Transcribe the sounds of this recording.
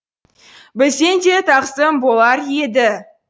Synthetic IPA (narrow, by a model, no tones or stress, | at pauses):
bɪlse̞nd̪e̞t̪ʰɑqsəmbolˠɑɾjed̪ɪ